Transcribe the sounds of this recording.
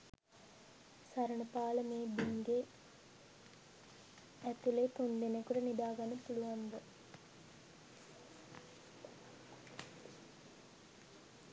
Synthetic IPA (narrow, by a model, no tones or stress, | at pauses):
saɾəɳəpaːləmeːbiŋɡe | æt̪ulet̪ond̪enekuʈənid̪aːɡanːəpuluʋand̪ə